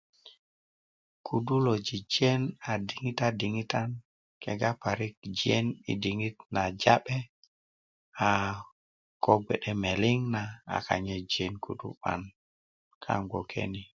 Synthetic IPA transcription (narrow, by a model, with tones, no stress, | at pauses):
kʰu˨du˦lo˨d͡ʒi˨d͡ʒe˦na˨di˨ŋi˦ta˦di˨ŋi˦ta˦n | ke˨ɡa˦pa˨ɾi˦k̚d͡ʒie˦nḭ˨di˨ŋi˦t̪na˨d͡ʒa˦ɓɛ˦ | a˨ | ko˦ɡʷɛ˨ɗɛ˦me˨li˦ŋna˨a̰˨ka̰˨ɲe˦d͡ʒe˦nkṵ˨dṵ˦ɓa̰˦n | kʰa̰˦ŋɡo˨kʰḛ˦ni˨